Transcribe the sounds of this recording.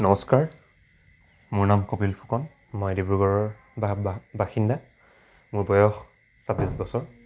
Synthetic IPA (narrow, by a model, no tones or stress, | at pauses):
nɔmɔskaɹ | muɹnamkopilpʰu̥kɔn | mɔjdibuɡɔɹɔɹ | babaxinda | muɹbɔjɔx | sabisbɔsɔɹ